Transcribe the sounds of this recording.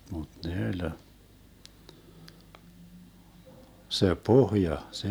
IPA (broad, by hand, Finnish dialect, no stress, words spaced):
mud̥ ne ølʲ se pohjɑ se